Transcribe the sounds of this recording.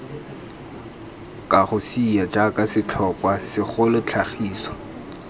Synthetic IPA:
kʼaχʊsijat͡ʃʼakʼasɪt͡ɬʰɔkʼwasɪχʊlʊt͡ɬʰaχiːsɔ̥

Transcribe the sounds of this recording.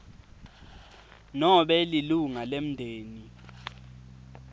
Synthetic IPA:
nɔɓɛliluŋalem̩ndʱeːni

